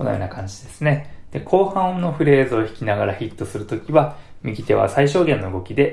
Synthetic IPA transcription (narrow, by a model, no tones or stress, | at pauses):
ono̰jo̰nakãɲ̟d͡ʑid̪e̞sɨne̞d̪̥e̞kʰo̞ːhãɰ̃õnːo̞ɸɯ̟ɾe̞ːzɨoçi̥kʲinaɡaɾaçit̪ːo̞sɨɾɯ̟t̪o̞kʲiβamʲiɡʲit̪e̞βa̰saiɕo̞ːɡẽ̞nːo̞ɯ̟ɡo̞kʲid̪e̞